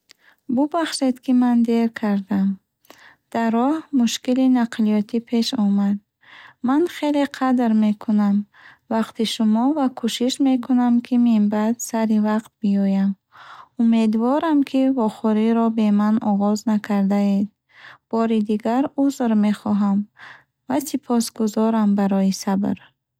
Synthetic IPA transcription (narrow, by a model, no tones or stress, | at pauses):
bubaχʃe̞d̪kʰimand̪e̞ɾkʰaɾd̪am | d̪̥aɾɔhmuʃkilinaqʰlijɔt̪ʰipʰe̞ʃɔmad̪̚ | manχe̞leqʰad̪ɾme̞kʰunam | vaqt̪ʰiʃumɔvakʰuʃiʃme̞kʰunamkʰimimbad̪saɾivaqt̪̚biɔjam | ume̞d̪vɔɾamkʰivɔχɔɾiɾɔbe̞manɔʁɔznakʰaɾd̪aed̪̚ | b̥ɔɾid̪iɡaɾuzɾme̞χɔɦam | vasipʰɔsɡuzɔɾambaɾɔjisabɾ